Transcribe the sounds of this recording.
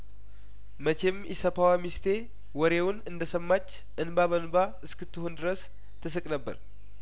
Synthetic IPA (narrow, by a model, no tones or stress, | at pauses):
mət͡ʃʰemjsəpʰawamist̪ʰe | wɔɾewʊnɨnd̪əsəmːat͡ʃː | ʔɨnbaβənba | ɨskɨt̪ʰːɨhond̪ɨɾəs | t̪ʰːɨsɨkʼnəbːə̰ɾ